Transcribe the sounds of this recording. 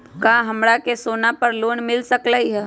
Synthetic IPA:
kaːɦɐmɾakesoːnapɐɾloːɳmɪlsəklaiɦɛː

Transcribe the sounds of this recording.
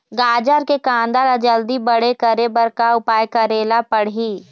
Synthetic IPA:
ɡaːd͡ʒəɾkekãːnd̪alad͡ʒəld̪ibəɽ̤ekəɾebəɾkaʊpaːjkaɾeːlapəɽ̤iː

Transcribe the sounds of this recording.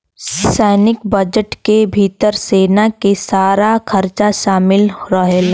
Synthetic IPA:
sɛːnɪkbɐd͡ʒəʈkebʱiːt̪əɾseːnakesaːɾakʰɐɾt͡ʃaʃaːmɪlɾəɦel

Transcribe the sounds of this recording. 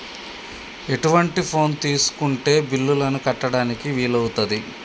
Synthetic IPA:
e̞ʈuʋɐɳʈipʰo̞ːnt̪iːsu̥kuɳʈe̞ːbilːulɐnukɐʈːɐɽaːnikiʋiːlɐwut̪ɐd̪i

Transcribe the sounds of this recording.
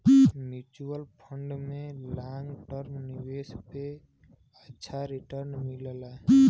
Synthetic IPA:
mjuːt͡ʃuəlpʰə̃ɳɖmẽlãːŋɡʈəɾmnɪweːspe | ətːʃʰaɾɪʈəɾnmɪlla

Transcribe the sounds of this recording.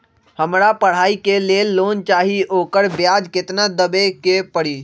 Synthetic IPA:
həmɾapəɽ̤aːikelelːont͡ʃaːɦioːkəɾbjad͡ʒkɪt̪nad̪əbekepəɽi

